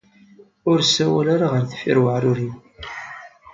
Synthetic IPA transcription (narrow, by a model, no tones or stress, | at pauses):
ʊɾsæwælaɾaʁəɾθfiɾwəʕɾʊɾiw